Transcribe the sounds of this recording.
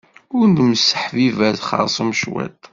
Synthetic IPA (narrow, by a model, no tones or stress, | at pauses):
ʊɾnd̪məsːəħvivæzχɑ̰ɾˤsˤmʃwæ̰t̪